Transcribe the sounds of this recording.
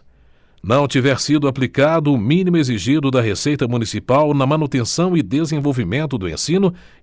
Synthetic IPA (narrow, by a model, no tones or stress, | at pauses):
nɐ̃w̃t͡ʃivɛɾsid̪ʊaplikad̪ʊːmĩnimʊeziʒid̪ʊd̪ɐɦesejt̪ɐmũnisipawnɐmɐ̃nut̪ẽsɐ̃w̃ɪd̪ezẽvowvimẽnt̪ʊd̪ʊḛ̃sĩnʊ